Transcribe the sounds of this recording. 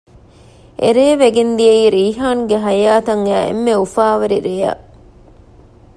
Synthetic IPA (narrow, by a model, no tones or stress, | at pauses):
ʔḛɾeːʋeɡend̪iɐiːɾiːɦaːnuɡeɦɐjaːt̪ɐŋæːʔḛmːeufaːʋɐɾiɾejɐ̰